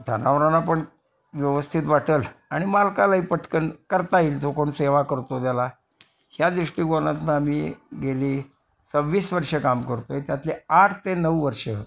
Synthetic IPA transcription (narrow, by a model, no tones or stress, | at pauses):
d̪ʱanaʋɾanapəɳ | ʋjəʋəst̪ʰit̪ʋaʈəlaɽ̃imalkalaɦiːpəʈʰkənkəɾt̪ailt̪okoɳseʋakəɾt̪od̪jala | hjad̪ɾiʂʈiːɡonat̪mə̃amiːɡeliː | t͡səbʋiːsʋəɾʂəkamkəɾt̪oet̪jat̪leaʈʰt̪enəwʋəɾʂə